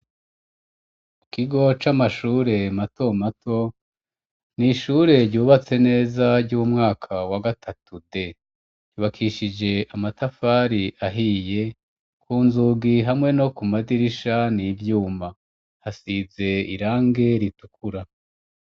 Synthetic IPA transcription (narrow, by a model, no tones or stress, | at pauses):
ukiɡo̞t͡ʃamaʃuːɾe̞mato̞matʰo̞ | niʃuɾe̞ɾɟuːβat͡se̞ne̞ːzaɾɟuumŋaːkʰawaɡatʰatude̞ | ɟuːβakʰiʃid͡ʒe̞ʔamatafaɾiʔaɦije̞ | kʰuːnzuɡiɦamŋe̞no̞kumadiɾiʃanivjuːma | hasibe̞iɾaːŋɡe̞ɾitukʰuɾa